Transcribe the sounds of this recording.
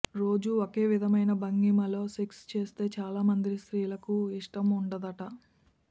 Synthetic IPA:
ɾo̞ːd͡ʒuoke̞ːʋid̪ʱɐmɐjnɐbɐŋɡimɐlo̞ːsekst͡ʃe̞ːst̪e̞ːt͡ʃaːlaːmɐnd̪isɾiːlɐkuiʂʈɐmuɳɖɐd̪ɐʈɐ

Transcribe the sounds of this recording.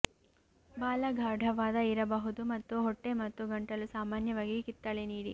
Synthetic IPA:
baːlɐɡʱaːɖʱɐʋaːd̪ɐiɾɐbɐɦud̪umɐt̪ːuɦɔʈːemɐt̪ːuɡɐɳʈɐlusaːmaːnjɐʋaːɡikit̪ːɐɭeniːɽi

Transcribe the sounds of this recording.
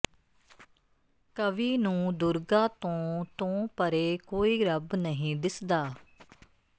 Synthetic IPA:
kəʋiːnũːd̪ʊɾɡãːt̪õːt̪õːpəɾeːkoːiːɾəbnəɦĩːd̪ɪsd̪aː

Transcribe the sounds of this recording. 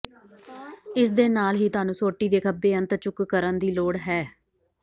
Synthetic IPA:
ɪs̬d̪eːnaːlɦiːt̪ʊaːnũːsoːʈːiːd̪eːkʰəbːeːənt̪əɾt͡ʃʊkkəɾənd̪iːloːɽɦɛː

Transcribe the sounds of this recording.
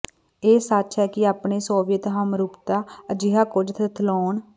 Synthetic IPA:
eːsət͡ʃɦɛːkɪaːpɳeːsoːʋɪjət̪ɦəmɾuːpt̪aːəd͡ʒɪɦaːkʊd͡ʒt̪ʰət̪ʰloːɳ

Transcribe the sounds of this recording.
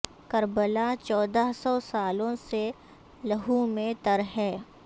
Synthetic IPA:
kəɾbəlat͡ʃɔːd̪aɦsɔsaːlõse | lɐɦumẽt̪əɾɦɛː

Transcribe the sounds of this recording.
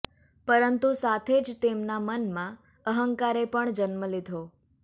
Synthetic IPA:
pəɾənt̪usat̪ʰed͡ʒt̪emnamənmã | əɦəŋkaɾepəɳd͡ʒənməlid̪ʱo

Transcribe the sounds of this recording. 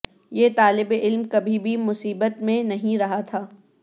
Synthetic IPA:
jeːt̪aːlɪbeʔɪlmkɐbʱibʱimʊsiːbət̪mẽnɐɦĩɾɐɦat̪ʰaː

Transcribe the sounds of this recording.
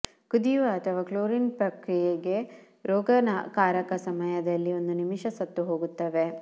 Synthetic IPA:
kud̪iʋɐːt̪ʰɐʋaːkloːɾinpɾɐkɾijeɡe̞ | ɾɔːɡɐnɐkaːɾɐkɐsɐmɐjɐd̪ɐlːio̞nd̪unimiʃɐsɐt̪ːuɦoːɡut̪ːɐʋe

